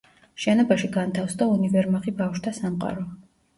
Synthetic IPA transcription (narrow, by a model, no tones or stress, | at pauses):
ʃɛnɔbaʃiɡant̪ʰafsd̪aunivɛɾmaχibafʃt̪ʰasamqʼa̰ɾɔ